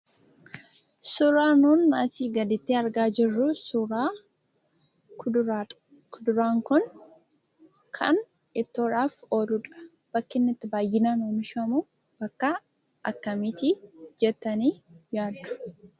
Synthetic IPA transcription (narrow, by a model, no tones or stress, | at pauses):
sʊɾaːnuːnːɐsiːɡɐd̪ɪt̪ːiːɐɾɡaːd͡ʒɪrːʊsʊɾaː | kʊd̪ʊɾaːŋkʊn | kʰɐn | ɪt̪ːoːᶑaːfoːlʊᶑɐ̥ | b̥ɐkːɪnːɪt̪ːɪbaːjːɪnaːnoːmɪʃɐmuː | b̥ɐkːɐ | ʔɐkːɐmit̪id͡ʒɛt̪ːɐniːjaːd̪ːʊ̥